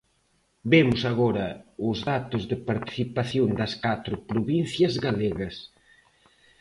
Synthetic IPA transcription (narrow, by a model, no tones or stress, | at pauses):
bemʊsaɣɔɾɐʊzðat̪ʊzðɪpaɾt̪i̥θipaθjond̪ɐskat̪ɾʊpɾoβinθjɐzɣaleɣɐs